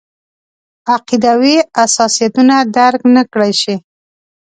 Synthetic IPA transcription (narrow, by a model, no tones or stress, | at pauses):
aqid̪awiasɑsijat̪unad̪aɾknəkɽajʃi